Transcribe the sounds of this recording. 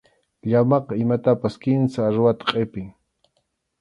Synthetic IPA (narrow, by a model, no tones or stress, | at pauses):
ʎamɑqɑɪmat̪apaskɪnsaːɾwat̪ḁqʼepɪŋ